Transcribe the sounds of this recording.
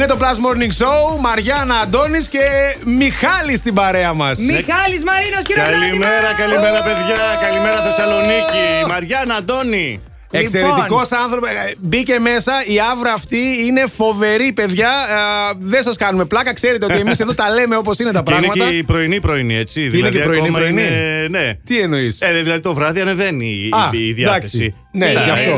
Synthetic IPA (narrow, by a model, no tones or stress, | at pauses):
net̪o̞plɐzmo̞ɾniŋɡsoumɐɾʝɐnɐd̪o̞nisce̞mixɐlist̪ibɐɾe̞ɐmɐsmixɐlizmɐɾinoskɐlimeɾɐkɐlimeɾɐpeðʝɐkɐlimeɾɐθesɐlo̞nicimɐɾʝɐnɐd̪o̞ni | ese̞ɾet̪iko̞sɐnθɾopbice̞me̞sɐiɐvɾɐːft̪iine̞fo̞ve̞ɾipe̞ðʝɐ | ðensɐskɐnume̞plɐkɐkse̞ɾet̪eoie̞miseðo̞t̪ɐle̞me̞o̞p̬o̞sine̞t̪ɐpɾɐɐɣnmɐɐpɾo̞inipɾoinie̞t͡ssiðiilɐeðceɐpɾonimɾoininet̪ieno̞iseðilɐðit̪o̞vɾɐðiɐneveniɐːðjɐd̪ɐkθessii | neʝɐft̪o